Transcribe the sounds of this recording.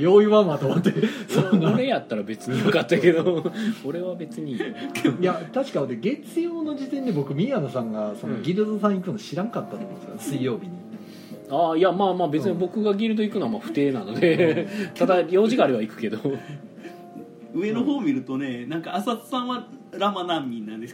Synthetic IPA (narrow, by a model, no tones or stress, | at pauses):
jo̞ːiβamat̪omat̪ːesonːoɾe̞jat̪ːaɾabe̞t͡sɨɲ̟ijokat̪ːake̞d̪ooɾe̞βabe̞t͡sɨɲ̟ijat̪aɕi̥kaneɡe̞t͡sɨjo̞ːno̞d͡ʑit̪ẽ̞nd̪e̞bo̞kɯ̟mʲianosãŋɡaso̞no̞ɡʲiɾɯd̪osãɰ̃ikɯ̟noɕiɾãŋkat̪ːat̪omskasɨijo̞ːbʲiɲ̟i | aːjamaːmaːbe̞t͡sɨɲibo̞kɯɡaɡʲiɾɯ̟d̪o̞ikɯ̟noamaɸɯ̟̥t̪e̞ːnano̞d̪e̞t̪ad̪ajo̞ːd͡ʑʑiɡaːɾeβaikɯ̟̥ke̞d̪o̞ | ɯ̟e̞noɦo̞ːmʲiɾɯ̟t̪one̞nãŋkaːsat͡sɨ̥sãɰ̃βaɾamanãmːʲĩnːãnd̪es